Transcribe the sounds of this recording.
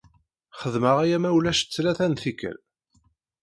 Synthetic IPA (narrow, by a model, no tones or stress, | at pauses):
χəðməʁæjæmæwlæʃt͡sːlæθænθikə̰l